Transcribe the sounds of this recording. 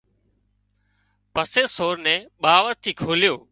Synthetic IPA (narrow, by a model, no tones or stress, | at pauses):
pəseːsoːɾnɛ̃ːɓaːʋəɾt̪ʰiːkʰoːlɪjoː